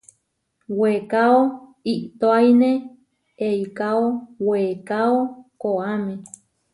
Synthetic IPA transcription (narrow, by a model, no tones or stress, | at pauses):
wekaoiʔt̪oajnẽ | eikaowekaokoamẽ